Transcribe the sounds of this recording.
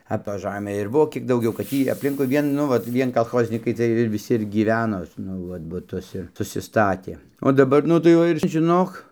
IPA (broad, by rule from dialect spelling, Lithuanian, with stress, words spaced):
ɐ toːj ˈʒɑːmʲeː ɪr ˈbʊʋoː kʲiɛk dɐʊˈɡʲɛʊ kɐt ˈtʲiː ɐpʲˈlʲɪŋkʊɪ ˈʋʲiɛn ˈnʊ ʋɐt ˈʋʲiɛn kɐlˠˈxoːzʲnʲiːkɐɪ ˈt͡sʲiɛj ʋʲɪˈsʲɪ ɪr ɡʲiːˈʋʲæːnoː nʊ ˈʋɐt bʊˈtʊs ɪr sʊsʲɪˈstɑːtʲeː oː dɐˈbɐr ˈnʊ tɐɪ ˈʋɐ ɪr ʒʲɪˈnoːk